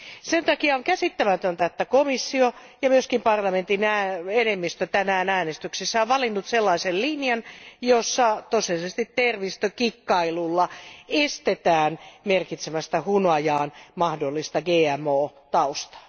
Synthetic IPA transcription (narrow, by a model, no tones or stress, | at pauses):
sent̪ɑkiɑoŋkæsit̪ːæmæt̪ønt̪æet̪ːækomisːio | jɑmyøskimpɑrlɑment̪inæːenemːist̪øt̪ænæːnæːnest̪yksesːæoʋɑlinːut̪selːɑisellinjɑnjosːɑt̪oselisest̪it̪terʋist̪økikːɑilulːɑest̪et̪æːnmerkit̪semæst̪æhunɑjɑːnmɑhdolːist̪ɑɡeːæmoːt̪ɑust̪ɑ̥